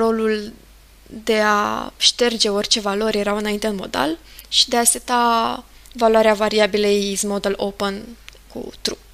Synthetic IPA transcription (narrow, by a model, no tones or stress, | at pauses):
ro̞lul | d̪e̞a̰ʃt̪e̞rd͡ʒe̞o̞rt͡ʃe̞valo̞rʲje̞ɾawɨnaint̪eɨnmo̞̰d̪a̰lʃi̥d̪e̞aset̪a | valwaɾeavaɾiabileizmo̞d̪əlopənkṵt̪ɾup